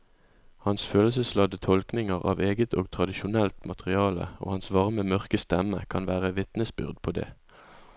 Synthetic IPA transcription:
hɑnsføːləsəslɑd̪ət̪ʰɔlknɪŋəʁɑ̰ːʋeːɡət̪oːɡ̚t̪ʰʁɑd̪ɪʃʊnɛlt̪mɑt̪əʁɪɑːlə̰ʔo̰ːhɑnsʋɑʁməmœʁkəst̪ɛməkʰɑnʋæːʁəʋɪt̪nəsbʏ̰ʁd̪pʰoːd̪ḛː

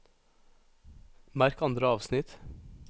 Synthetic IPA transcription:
mæɾkɑnd̪ɾəɑːʋsnɪt̪

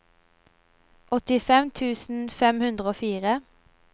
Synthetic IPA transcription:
ʔɔt̪ɪfɛmt̪ʰʉːsn̩fɛmhʉnd̪ʁəoːfiːʁə

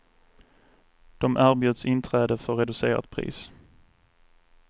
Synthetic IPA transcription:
d̪̥ɔmʔæːɾbjɵːd̪sɪnt̪ʰɾɛːd̪əfœɾɛd̪ɵseːɾa̰t̪̚pʰɾḭːs

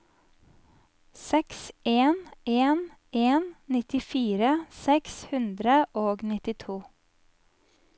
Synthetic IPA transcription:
sɛksʔeːneːn | eːnnɪt̪ɪfiːɾəsɛkshʉnd̪ɾəʔoːɡnɪt̪ɪt̪ʰuː

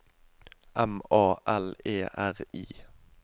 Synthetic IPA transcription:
ʔɛmɑːʔɛleːʔæʁiː

